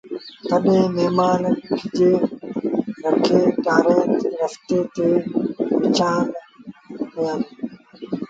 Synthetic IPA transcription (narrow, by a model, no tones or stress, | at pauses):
k̪ɐɗẽːneːmaːnkid͡ʒeː | ɾɐkʰːeːʈaːɾeːt̪ɾɐft̪eːt̪eːʋɪt͡ʃaːn | hojan